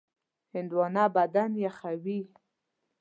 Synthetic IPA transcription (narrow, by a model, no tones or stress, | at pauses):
hɪnd̪wɑnɑbad̪anjaxawi